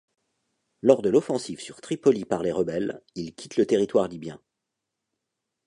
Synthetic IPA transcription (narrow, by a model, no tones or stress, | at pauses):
lɔʁd̪əlɔfɑ̃sivsyʁt̪χipɔlipaʁleʁəbɛlilkʲʰit̪lət̪eʁit̪waʁlibjɛ̰̃